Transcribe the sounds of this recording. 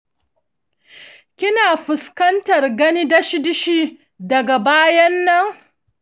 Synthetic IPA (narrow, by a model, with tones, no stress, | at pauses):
kʲɪ˦naː˨ɸʊ˨skɐ˦ntɐ˨rɡɐ˦niː˦dɐ˦ʃɪ˦dɪ˦ʃiː˦ | dɐ˨ɡa˨baː˦jɐ˦nːɐ˦ŋ